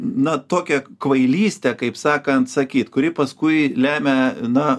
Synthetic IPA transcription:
nɐt̪oːkʲɛkʋɐɪlʲiːsʲt̪ʲɛkɐɪpsɑːkɐnt̪sɐkʲiːt̪kʊɾʲɪpɐskʊɪlʲæːmʲɛnɐ

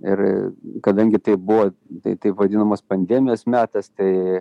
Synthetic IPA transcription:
ɪrkɐd̪ɐŋʲɡʲɪt̪ɐɪp̚bʊʋot̪ɐɪt̪ɐɪpʋɐd̪ʲɪnɐmoːspɐnʲd̪ʲɛːmʲɪjoːsmʲæːt̪ɐst̪ɐɪ

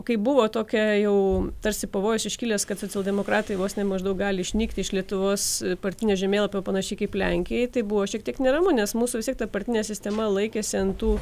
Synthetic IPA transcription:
kɐɪbʊʋoːt̪oːkʲɛjɛʊt̪ɐɾʲsʲɪpɐʋoːjʊsɪʃʲkʲiːlʲɛskɐt̪soːt͡sʲɛlˠd̪ʲɛmoːkɾɑːt̪ɐɪʋoːsnʲɛmɐʒd̪ɐʊk̚ɡɑːlʲɪʃʲnʲiːkt̪ʲɪɪʃlʲiɛt̪ʊʋoːspɐrʲt̪ʲɪnʲoːʒʲɛmʲeːlˠɐpʲoːpɐnɐʃʲɛɪkɐɪplʲɛŋʲkʲɪjɛɪt̪ɐɪbʊʋoːʃʲiɛk̚t̪ʲiɛknʲɛɾɐmʊnʲɛsmuːsuːʋʲst̪ʲiɛk̚t̪ɐpɐɾʲt̪ʲɪnʲɛsʲɪsʲt̪ʲɛmɐlˠɐɪkʲeːsʲɪɐnt̪uː

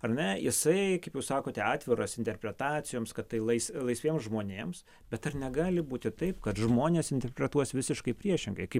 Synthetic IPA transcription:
ɐrnʲɛjɪsɐɪkɐɪpjɛʊsɑːkoːt̪ʲɛɑːt̪ʲʋʲɪɾoːsɪnʲt̪ʲɛrʲpʲɾʲɛt̪ɑːt͡ssʲɪjoːmskɐt̪tːɐɪlˠɐɪslˠɐɪsʲʋʲeɛmsʒmoːnʲeːms | bʲɛt̪ɐrnʲɛɡɑːlʲɪbuːt̪ʲɪt̪ɐɪpkɐt̪ʒmoːnʲeːsɪnʲt̪ʲɛɾʲpʲɾʲɛt̪uɔsʋʲɪsʲɪʃkɐɪpʲɾʲiɛʃʲɪŋɡɐɪkɐɪp

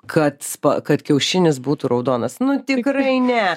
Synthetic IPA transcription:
kʰɐt̪spɐ̰kɐt̪kʲɛʊʃʲɪnʲɪsbuːt̪uɾɐʊd̪oːnɐsnʊt̪ʲɪkrɐɪnʲɛ

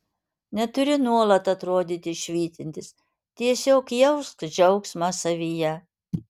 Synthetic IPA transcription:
nʲɛt̪ʊɾʲɪnuɔlˠɐt̪ɐt̪ɾoːd̪ʲiːt̪ʲɪʃʲʋʲiːt̪ʲɪnʲt̪ʲɪs | t̪ʲiɛsʲoːkjɛʊst̪d͡ʒʲɛʊksmɑsɐʋʲijɛ

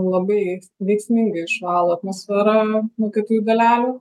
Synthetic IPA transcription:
lˠɐbɐɪ | ʋʲɛɪksʲmʲɪŋɡɐɪɪʃʋɑːlˠoɐt̪moːsfʲɛɾɐmoːkʲɛːt̪uːjuɡ̪ɐlʲæːlʲu

